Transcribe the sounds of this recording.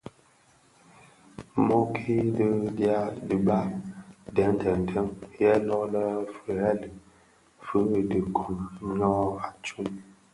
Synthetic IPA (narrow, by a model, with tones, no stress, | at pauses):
mɔ˦kʰi˦də˦dja˦də˨ba˦dɛ˨˦n˨tɛ˨n̩˨tʰə˦mjɛ˦lɔ˦ʔlə˦fə˨ɾɛ˦lə˨ | fə˦˨də˨kʰu˨ɲɔ˦a˨t͡ʃu˦l